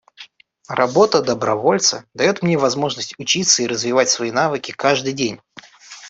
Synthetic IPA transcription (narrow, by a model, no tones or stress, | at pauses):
rɐbo̞t̪əd̪əbɾɐvo̞lʲt̪səd̪ɐjo̞t̪mnʲevɐzmo̞ʐnəsʲtʲʊt͡ɕit̪sːəiɾəzvʲɪvatʲsvɐinavɨkʲɪkaʐd̪ɨjdʲenʲ